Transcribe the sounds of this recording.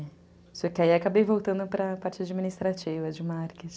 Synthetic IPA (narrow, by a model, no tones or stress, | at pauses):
sɔkɪaiakabejvowt̪ɐ̃nd̪ʊpɾɐpaɾt͡ʃɪad͡ʒiminist̪ɾat͡ʃivɐd͡ʒɪmaɾkɪt͡ʃ